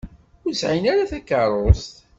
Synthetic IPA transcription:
ʊɾsʕinæɾæθækːɑɾˤost̪

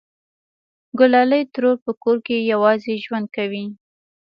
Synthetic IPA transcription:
ɡʊlɑləjt̪ɾoɾpəkoɾkejawɑzeʒwand̪̚kawi

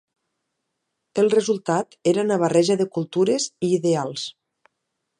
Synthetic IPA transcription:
elˠrezulˠt̪at̪eɾanaβ̞arɛʒaðekulˠt̪uɾeziːðealˠs

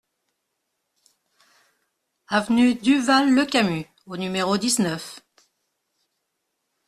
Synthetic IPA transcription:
avnyd̪yvalːəkamy | onymeʁod̪iznœf

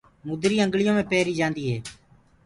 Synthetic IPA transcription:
muːd̪ɾiːə̃ŋɡɭɪjõːmẽːpeːɾiːd͡ʒãːnd̪iːɦeː

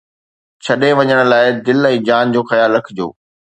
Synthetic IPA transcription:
t͡ɕʰɐɗeʋɐɲəɽ̃̆laːɪd̪ɪlɛ̃ːd͡ʑaːnd͡ʑoːxɐjaːlːɐkʰɪd͡ʑo̰ː

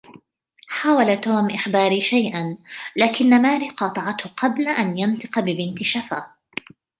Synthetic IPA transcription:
ħaːwalat̪oːmʔɪxbɑːɾiːʃajʔanlaːkɪnːamaːɾiːqɑːt̪ˤɑʕɑt̪hʊqʰɑblaʔanjant̪ˤɨ̥qbɪbɪnt̪ɪʃafaː

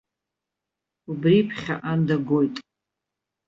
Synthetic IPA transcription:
ubripʰχʲa̰ʔandaɡojtʼ

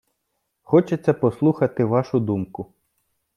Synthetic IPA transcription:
xɔt͡ʃet͡sʲːɐpɔslˠuxɐt̪ɪʋɑʃʊd̪umkʊ

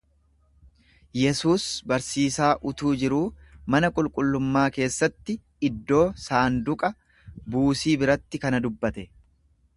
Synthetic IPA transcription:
jɛsuːsbɐɾsiːsaːʔʊt̪uːd͡ʒɪɾuːmɐnɐkʼʊlkʼʊlːʊmːaːke̞ːsːɐt̪ːɪ | ɪd̪ːo̞ːsaːnd̪ʊkʼɐ | buːsiːbɪɾɐt̪ːɪkɐnɐd̪ʊbːɐt̪ɛ

